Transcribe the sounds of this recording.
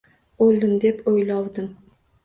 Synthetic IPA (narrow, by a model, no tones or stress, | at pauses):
olˠd̪ɪmd̪epojlɒwd̪ɪm